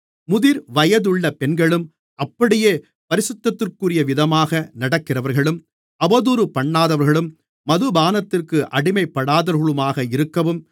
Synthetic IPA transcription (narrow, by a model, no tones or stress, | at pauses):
mʊðɪɾʋɐjɐðɯɭːɐpɛnɡɐɭɯm | ʔɐpːɐɽɪjeː | pɐɾɪsʊt̪ːɐt̪ːɯrkɯrɪjɐʋɪðɐmaːɣɐnɐɽɐkːɪrɐʋɐɾɣɐɭɯm | ɐbɐðuːɾɯpɐɳːaːðɐʋɐɾɣɐɭɯmː | ɐðɯbaːnɐt̪ːɪrkɯʔɐɽɪmɐɪpːɐɽaːðɐɾɣɐɭɯmaːɣɐɪɾɯkːɐʋɯm